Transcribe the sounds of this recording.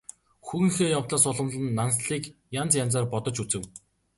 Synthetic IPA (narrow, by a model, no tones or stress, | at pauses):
xuɣɘ̆ŋxeːjawt̪ɮaːsʊɮə̆mɮə̆nːansɮiːkjant͡sjant͡saːrpɔt̪ɞ̆t͡ɕut͡sɘ̆w